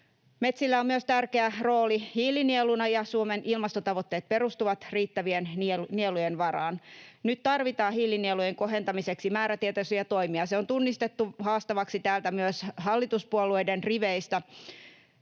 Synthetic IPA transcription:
me̞t̪silːæomyøst̪ærkeæro̞ːlihiːlinielunɑjɑsuomenilmɑst̪ot̪ɑʋot̪ːe̞ːt̪̚pe̞ɾust̪uʋɑt̪riːt̪ːæʋiennielujenʋɑɾɑ̰ːnnyt̪t̪ɑrʋit̪ɑːhiːlinielujeŋko̞ɦe̞nt̪ɑmise̞ksimæːɾæt̪iet̪ɑsyjɑt̪o̞jmiɑseo̞nt̪unːist̪e̞t̪ːuhɑːst̪ɑʋɑksit̪æːlt̪æmyøshɑlːit̪uspuolue̞jdenriʋeist̪ɑ

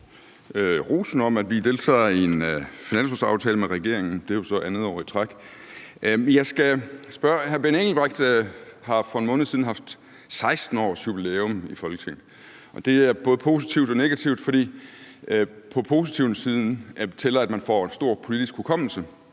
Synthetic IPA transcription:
øʁṵːsn̩ɒ̽mæd̥ʋid̥e̝lt͡sʰɛ̰ːe̝nfinæn̰sosɑ̈ʊt͡sʰɛːləmeʁɛɡ̥e̝ɐ̰e̝ŋn̩d̥e̝jo̝sɒ̽ʔænð̞̩ˠɒʊ̰it͡sʰʁaɡ̥ | mjɑ̈ɪsɡ̥æsb̥ɶɐhæɐb̥eneŋl̩b̥ʁeɡ̥̚d̥hɑ̈fɒ̽enmɔ̽ːnð̩ˠsiðˠn̩ɦɑ̈fd̥ | sɑ̈ɪsd̥n̩ɒ̰ːsjub̥ile̝ɔmifɒ̽lɡ̥ət͡sʰeŋ̰l̩ | ʔɒ̽d̥e̝æɐb̥ɔ̽ːð̞̩ˠpʰo̝ːsit͡sʰiʊd̥ɒ̽ne̝ɡ̥æt͡sʰiʊ̰d̥fɒ̽d̥ḭː | pʰɒ̽pʰo̝ːsit͡sʰiʊnsiːðˠn̩æbt͡sʰelɐæd̥mænfɒ̰ensd̥o̝ɐ̰pʰo̝lid̥isɡ̥hulkʰɒ̽m̰l̩sə

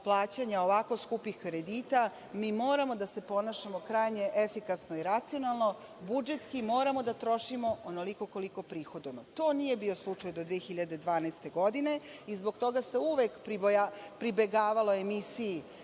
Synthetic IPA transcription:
plˠaːt͡ɕaɲao̞ʋako̞skupixkɾe̞d̪iːt̪a | miːmo̞ːɾamo̞d̪ase̞po̞naʃamo̞kɾajɲe̞ʔefikasnoiɾat̪sijo̞nalˠno̞ | bud͡ʒe̞t̪skimo̞ːɾamo̞d̪at̪ɾo̞ʃimo̞ono̞liko̞ko̞liko̞pɾiːxod̪not̪o̞ːnije̞bio̞slˠut͡ʂajd̪od̪ʋiexiʎad̪e̞d̪ʋaːnast̪e̞ɡo̞d̪ine̞izbo̞ɡt̪o̞ɡase̞uʋekpɾibojapɾibe̞ɡaːʋalo̞emisiji

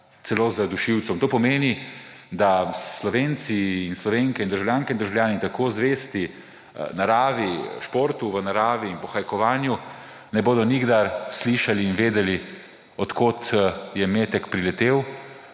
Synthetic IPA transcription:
t̪sɛloːzad̪uʃiwt̪sɔmt̪oːpɔmeːni | d̪aslɔʋeːnt̪siːnslɔʋeːŋkɛind̪əɾʒawljaːŋkɛind̪əɾʒawlʲjaːnit̪akoːzʋeːst̪i | naɾaːʋiʃpoːɾt̪uʋənaɾaːʋiːnpɔxajkɔʋaːnju | nɛboːd̪ɔniɡd̪aɾsliʃaliːnʋeːd̪ɛli | ɔt̪koːt̪jɛmeːt̪ɛkpɾilɛt̪eːw

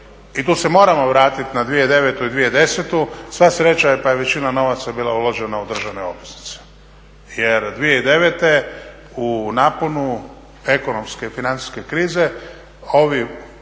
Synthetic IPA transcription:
it̪uːsemo̞ːɾamo̞ʋɾaːt̪it̪nad̪ʋije̞d̪e̞ʋet̪uid̪ʋije̞d̪e̞set̪usʋasɾe̞t͡ʃaepaje̞ʋe̞t͡ʃinano̞ʋat̪sabiːlˠa̰ulˠoʒenaud̪r̩ʒaʋne̞o̞̰bʋisni̥t̪se̥ | jeɾd̪ʋijeid̪e̞ʋet̪e̞ | unaːponu | e̞kono̞mske̞finant̪i̥ske̞kɾiːze̞ | o̞ʋi

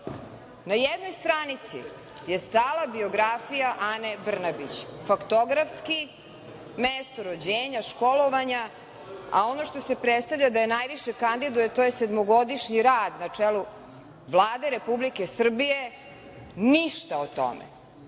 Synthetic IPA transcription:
najed̪no̞jst̪ɾanit̪sḭ | jest̪aːlˠabio̞ɡɾafijaʔanebr̩nabit͡ɕfakt̪oɡɾafski | mest̪oɾod͡ʑeːɲaʃkolo̞ʋaɲa | a̰o̞no̞ʃt̪o̞sepɾet̪st̪avʎad̪ajenajʋiʃekand̪id̪ujet̪oːjesed̪moɡo̞d̪iʃɲiɾaːd̪nat͡ʂelu | ʋlˠaːd̪eɾepublikesr̩bije | niʃt̪aot̪o̰mḛ

